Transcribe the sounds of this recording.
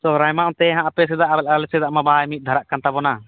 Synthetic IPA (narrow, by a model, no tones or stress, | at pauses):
t̪ɔɾajmaʔɔ̃t̪ɛɦãʔapɛs̬ɛd̪aʔabɛlalɛsɛd̪aʔmabajmit̪̚ˀd̪ʱaɾaʔkant̪abɔna